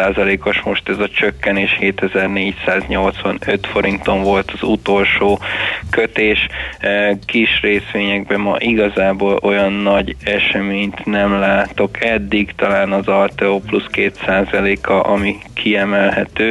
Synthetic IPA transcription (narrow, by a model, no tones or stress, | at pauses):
aːzɒleːko̞ʃmo̞ʃt̪ɛzɒt͡ʃøkːɛneːʃheːt̪ɛzɛrneːcsaːzɲo̞lt̪sʋɒnøt̪fo̞ɾint̪o̞ɱvo̞lt̪ɒzut̪o̞lʃoːkøt̪eːʃ | kiʃreːsʋeːɲɛɡ̚bɛmɒ̰ʔiɡɒzaːboːlʔo̞jɒnːɒɟɛʃɛmeːɲt̪nɛmlaːt̪o̞kʰɛd̪ːiɡt̪ɒlaːnɒzɒlt̪ɛopluskeːt̪saːzɒleːkʰɒʔɒmikʰiɛmɛlɦɛt̪øː